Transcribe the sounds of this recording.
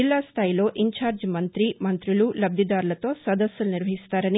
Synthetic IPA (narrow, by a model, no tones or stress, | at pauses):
ilːaːst̪ʰaːjilo̞ːʔiɲt͡ʃaːɾd͡ʒmɐnt̪ɾimɐnt̪ɾilulɐb̚d̪ʱid̪aːɾulɐt̪o̞ːsɐd̪ɐsjulniɾʋɐɦist̪aːɾɐni